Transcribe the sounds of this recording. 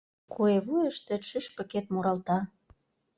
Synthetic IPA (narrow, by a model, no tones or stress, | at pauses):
kʰueβujəʃt̪ĕʃyʃpɤ̆ket̪muɾɑlt̪ɑ